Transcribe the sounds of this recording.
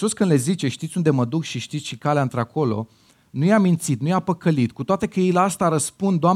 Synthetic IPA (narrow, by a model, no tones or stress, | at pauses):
oskɨnd̪le̞zit͡ʃe̞ʃt̪it̪sʲund̪e̞məd̪ukʃiʃt̪it̪sʃikaleaɨnt̪ɾeako̞lo̞̰ | nujamint̪sit̪̚nujapəkəlit̪kut̪oat̪e̞kəjejleast̪aɾəspund̪d̪oa